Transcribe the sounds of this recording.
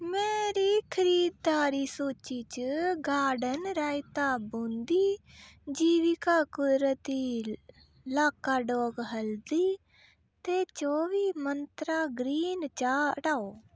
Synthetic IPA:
meːɾiːkʰəɾiːd̪̚d̪aːɾiːsoːt͡ʃiːt͡ʃəɡaːɖənɾaːɪt̪aːbõːnd̪iːd͡ʒiːʋɪkaːkʊd̪ɾət̪iː | laːkaːɖoːɡɦəld̪iː | t̪eːt͡ʃoːʋiːmənt̪ɾaːɡɾiːnt͡ʃaːʈaːoː

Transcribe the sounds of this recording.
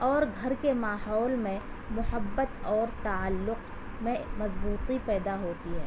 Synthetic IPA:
ɔːɾɡʱɐɾkemaːɦɔːlmẽ | mʊhəbːət̪ɔːɾt̪aalːʊq | mẽmɐzbuːt̪ipɛːd̪aɦoːt̪iɦɛ̰ː

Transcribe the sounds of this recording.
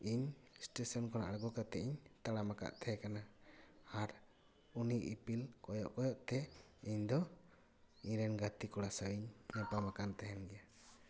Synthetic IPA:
iɲsʈesɔnkɔna̰ʔɽaɡɔkat̪ɛʔiɲt̪aɽamaka̰ʔt̪ʰɛkana | aɾ | uniʔipilkɔjɔʔkɔjɔʔt̪ɛiɲd̪ɔ | iɲɾɛnɡat̪ikɔɽasawiɲnɛpamakant̪ɛɦɛnɡɛja

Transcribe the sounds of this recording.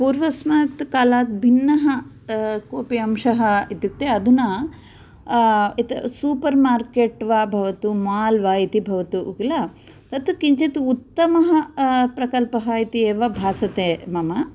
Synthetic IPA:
puːɾʋɐsmɐt̪kaːlaːt̪̚bʱinːɐɦɐ | koːpiɐmʂɐɦɐit̪juk̚t̪eɐd̪ʱunɐ | it̪suːpɐɾmaːɾkeːʈʋaːbʱɐʋɐt̪umaːlʋaːit̪ibʱɐʋɐt̪uʔuɡlɐ | t̪ɐt̪ukiɲt͡ʃit̪uut̪ːɐmɐɦɐpɾɐkɐlpɐɦɐit̪ieːʋɐbʱaːsɐt̪eːmɐmɐ

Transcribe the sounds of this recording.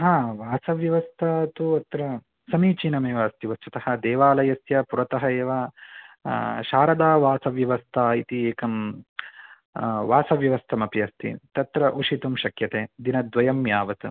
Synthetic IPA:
ɦãːʋaːsɐʋjɐʋɐst̪ʰɐt̪uɐt̪ɾɐ | sɐmiːt͡ʃiːnɐmeːʋɐɐst̪iʋɐst͡ʃut̪ɐhɐd̪eːʋaːlɐjɐsjɐpuɾɐt̪ɐɦɐeːʋa | ʃaːɾɐd̪aːʋaːsɐʋjɐʋɐst̪ʰait̪ieːkɐm | ʋaːsɐʋjɐʋɐst̪ʰɐmɐpiɐst̪ʰḭt̪ɐt̪ɾɐʔuʂit̪umʃɐkjɐt̪eːd̪inɐd̪ʋɐjɐmjaːʋɐt̪u

